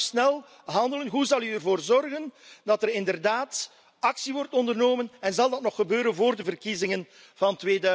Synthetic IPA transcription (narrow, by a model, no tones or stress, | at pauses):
snɛlˠ | ɦɑndələnɦuzɑlˠyərvoːrzɔrɣəndɑtərɪndərdaːt | ɑksiʋɔrtɔndərnoːmənɛnzɑlˠdɑtnɔχːəbøːɾənvoːrdəvərkizɪŋən | v̥ɑntʋeːdœ